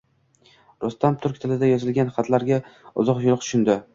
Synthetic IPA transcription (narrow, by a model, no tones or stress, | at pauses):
ɾʊst̪amt̪ʰʊɾkʲt̪ʰɪlɪd̪ajɒzɪlɡʲanχɑt̪ʰlaɾɡʲaʊ̰zɒqjʊlˠɾq̚t̪ʰʊ̥ʃʊnd̪ɪ